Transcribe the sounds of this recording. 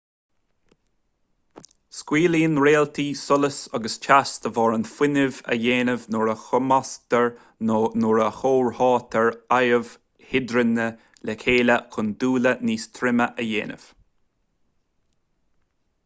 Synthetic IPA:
skwiːliːnɹeːlt̪ʰiːsʊləsɑɡəst͡ʃʰast̪əvɑːɹənfɪnɪvə̰jeːnəvnʊɹəxʊmast̪əɹ | nʊɹəxoːɹhɑːt̪ʰəɹajəv | hɪd̪ɾənə | lɛkʰeːləkʰʊnd̪uːləniːst̪ʰɾɪməʔəjḛːnə̰v̥

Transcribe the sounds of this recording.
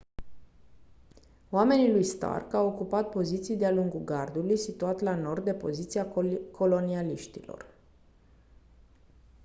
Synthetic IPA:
oame̞nilujst̪a̰rkawo̞kupat̪̚po̞zit̪sijd̪ealuŋɡuɡard̪ulujsit̪uat̪lano̞rd̪̚d̪e̞po̞̰zit̪siakʰo̞lonialiʃt̪ḭlo̞̰r

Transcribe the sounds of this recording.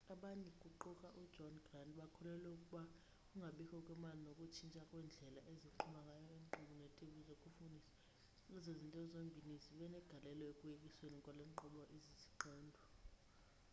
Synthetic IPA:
aɓaɲikʼuǃukʼaʔudd͡ʒʱɔnɡrandɓakʰulɛlɛukʼuɓa | uŋɡʱaɓikʰɔkʼwɛmalinokʼut͡ʃʰint͡ʃʼakʼwɛnd͡ɮʱɛla̰ʔeziǃʰumaŋɡʱajɔiŋǃuɓunɛtʼeɓuzokʼufundʱisḁ | izezintʼɛzombʱinisiɓɛnɛɡ̥ʱalɛlɔekʼujekʼiswenikʼɔleǃuɓɔʔiziziǃɔːndʱɔ

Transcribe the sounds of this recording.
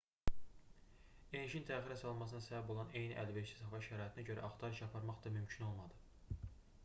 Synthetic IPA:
eniʃint̪ʰæːχiɾæsɑlˠmɑs̬ɯnɑsæbæbo̞lˠɑne̞jniʔæ̰lveʃi̥sɑvɑʃæɾɑːit̪ʰinæɟø̞ɾæ̰ʔɑχt̪ʰɑɾɯʃɑpʰɑɾmɑχd̪ɑmymcʰino̞lˠmɑd̪ɯ

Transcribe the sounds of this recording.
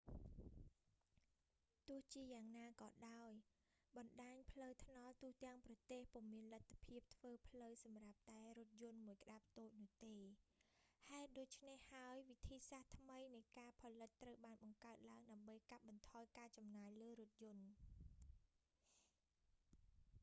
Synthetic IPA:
t̪ʊ̆əht͡ɕiəjaːŋnaːkɑːɗaɔj | ɓɑnɗaːɲpʰləwt̪ʰnɑlt̪ʊ̆əht̪ɛ̆əŋprɑt̪eːhpŭəmiənlət̪ʰːḁpʰiəp̚t̪ʰʋəːpʰləwsɑmrap̚t̪aɛrʊ̆ət̪̚jʊ̆ənmuəjkə̆ɗap̚t̪oːc̚nʊ̆əht̪eː | haɛt̪̚ɗoːc̚t͡ɕʰnehːaəjʋit̪ʰiːsaht̪ʰməjnɨjkaːpʰɑːlɨt̪ːrəwɓaːnɓɑŋkaət̪̚laəŋɗaəmɓəjkat̪̚ɓɑnt̪ʰɑːjkaːt͡ɕɑmnaːjləːɾʊ̆ət̪̚jʊ̆ən

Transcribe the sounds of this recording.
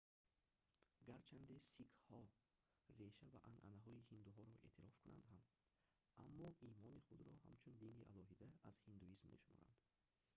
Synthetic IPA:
ɡaɾt͡ʃʰand̪esikʰhɔ | re̞ʃavaʔanʔanaɦɔihind̪uɦɔɾɔʔe̞̰ːt̪ʰiɾɔfkʰunʔa̰nd̪ɦam | amːɔʔimɔniχud̪ɾɔha̰mt͡ʃʰund̪iniʔa̰lɔɦid̪aaz̥hind̪uizmːḛʃumɔ̰ɾa̰nd̪̥

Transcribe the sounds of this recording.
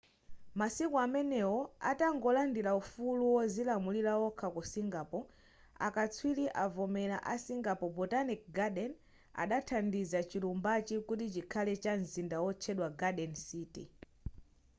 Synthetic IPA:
masikɔamɛnɛwɔa̰taŋɡɔlandilaufuluwɔzilamuliɾawɔkʰakusiŋɡapɔ | a̰kat͡sʰwiliʔavɔmɛlaʔasiŋɡapɔbɔtanik̚ɡaɗɛn | a̰ɗatʰandizat͡ʃilumbat͡ʃikutit͡ʃikʰalɛt͡ʃan̩zindawɔt͡ʃʰɛɗwaɡaɗɛnsiːtḭ

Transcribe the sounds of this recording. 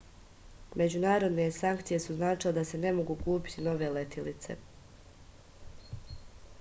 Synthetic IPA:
me̞d͡ʑunaːɾo̞d̪ne̞saŋkt̪sije̞suznaːt͡ʃiled̪ase̞ne̞mo̞ɡukuːpi̥t̪ʰino̞ʋe̞let̪ʰilit̪se̞̰

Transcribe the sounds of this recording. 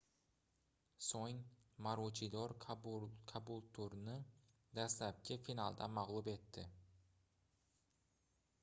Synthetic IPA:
soŋmaɾot͡ʃʰid̪ɒɾ | kʰabulˠt̪ʰʊɾnɪ | d̪ast̪lap̚kʲʰɪfinalˠd̪a̰maʁlˠube̞t̪ʰːɪ

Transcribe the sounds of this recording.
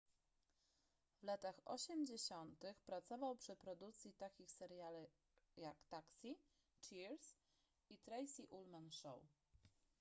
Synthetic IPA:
vlat̪axɔ̰ɕɛmd͡ʑeɕɔnt̪ɘxpɾat̪sɔvawpʂɘpɾɔd̪ukt̪sʲjit̪akʲixsɛɾjalu | jakt̪aksʲi | t͡ʂiɾs | it̪ɾɛjsʲiʔulmanʂɔ̰w

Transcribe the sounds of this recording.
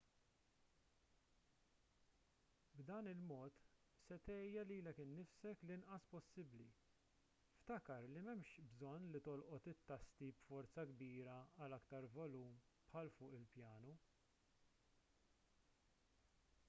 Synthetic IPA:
bd̪ɐːnɪlmɔːt̪ | sɛt̪ɛjɐliːlɛkɪnːɪfsɛklɪnʔɐspɔsːɪbli | ft̪ɐkɐɾlimɛmʃbzɔnːlit̪ɔlʔɔt̪ɪt̪ːɐst̪ibfɔɾt͡sɐɡbiːɾɐɐlɐkt̪ɐɾvɔluːm | pħɐlfʊːʔɪlpjɐːnu

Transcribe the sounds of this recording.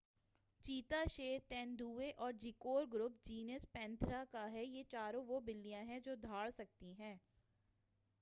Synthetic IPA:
t͡ʃiːt̪aʃeːt̪ɛ̃ːnd̪uːeʔɔːɾd͡ʒɪkoːɾɡɾʊp̚d͡ʒiːnəspɛ̃ːnt̪ʰɾakaɦɛjet͡ʃaːɾõʋobɪlːijãɦɛ̃d͡ʒoːd̪ʱaːɭsɐk̚t̪iɦɛ̃ː

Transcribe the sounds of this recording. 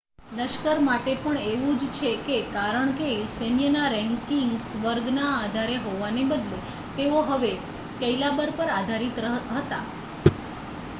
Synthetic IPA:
ləʃkəɾmaʈepəɳeʋũd͡ʒt͡ʃʰekekaɾəɳkesenjənaɾɛ̃ŋkiŋɡsʋəɾɡnaːd̪ʱaɾeɦoʋanebəd̪le | t̪eoɦəʋe | kəilabəɾpəɾad̪ʱaɾit̪ɦət̪a

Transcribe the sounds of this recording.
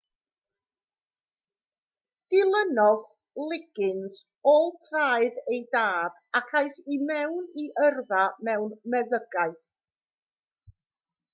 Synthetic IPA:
d̥ɪlˠənɔð | lˠɪɡ̥ɪnz | ɔlˠtʰraːɨðejdaːb̥ | akʰajθimɛwniʔərvamɛwnmɛðəɡaɨθ

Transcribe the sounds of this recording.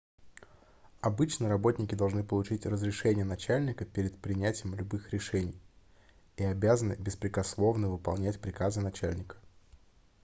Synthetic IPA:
ɐbɨt͡ɕnəɾɐbo̞tʲnʲɪkʲɪd̪ɐlˠʐnɨpəlˠʊt͡ɕitʲrəzɾʲɪʂɛnʲɪjənɐt͡ɕælʲnʲɪkəpʲeɾʲɪt̪̚pɾʲɪnʲætʲɪjɪmlʲʊbɨxɾʲɪʂɛnʲɪj | iɐbʲazənɨbʲɪspɾʲɪkɐslˠo̞vnəvɨpɐ̰lˠnʲætʲpɾʲɪkazɨnɐt͡ɕælʲnʲɪkə̥

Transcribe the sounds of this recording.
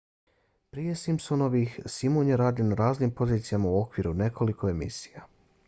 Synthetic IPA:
pɾije̞simpsono̞ʋixsimonjeɾaːd̪jonaɾaːznimpo̞ziːt̪sijamauo̞kʋiɾune̞ko̞likʰo̞e̞mḭsi̥ja

